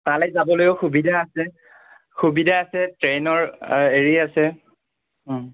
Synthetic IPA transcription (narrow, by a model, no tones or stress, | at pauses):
talɛzabɔlojʊxubidʱaːsɛ | xubidʱaːsɛtɹenɔɹeɹiasɛ